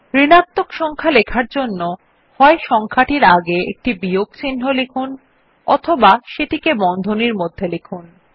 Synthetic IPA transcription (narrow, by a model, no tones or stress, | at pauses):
ɾinat̪ːokʃɔŋkʰalekʰaɾd͡ʑonːo | hɔeʃɔŋkʰaʈiɾaɡeḛk̚ʈibijoɡt͡ɕinɦolekʰun | ɔ̰t̪ʰobaʃeʈikebɔnd̪ʱoniɾmod̪ʱːelekʰun